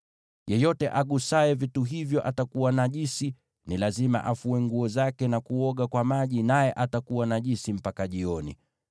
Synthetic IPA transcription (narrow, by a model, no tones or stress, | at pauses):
jɛjɔtɛ̰ʔaɠusaɛvituɦivjɔʔatakuwanaʄisi | nilazima̰ʔafuɛŋɡuɔzakɛnakuɔɠakwamaʄinajɛʔatakuwanaʄisim̩pakaʄiɔnḭ